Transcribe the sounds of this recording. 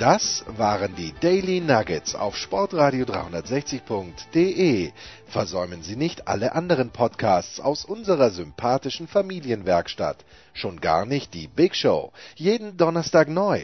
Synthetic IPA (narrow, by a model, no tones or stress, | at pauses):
d̥asvaːʁəndiːdɛɪlinaɡət͡sa̰ʊfʃpɔɐtʁaːɾijodʁa̰ɪhʊndɐtz̥ɛçt͡sɪçpʰʊŋktd̥eːʔeː | fɛɐzɔʏmənziːnɪçtʔa̰ləʔandəʁ̞ənpʰɔtkʰaːst͡sa̰ʊsʔʊnzəʁɐzʏmpʰaːtɪʃn̩famiːljənvɛɐkʃta̰t | ʃoːnɡa̰ːɐnɪçt̚d̥iːbɪkʃoʊjeːdn̩dɔnɐstaːknɔʏ